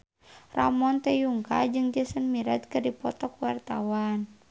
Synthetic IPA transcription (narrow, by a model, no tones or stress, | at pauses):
ra̰mɔnt̪ɛjuŋka̰d͡ʒɨŋd͡ʒəsənmiɾat̪̚kɨrdipɔt̪ɔkwart̪awan